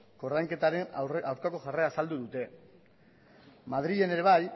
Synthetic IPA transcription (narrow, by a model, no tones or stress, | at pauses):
ko̞ɾðajŋke̞t̪aɾenawɾkako̞ʝare̞aːsald̪uðut̪e̞ | mað̞ɾie̞ne̞ɾe̞βaj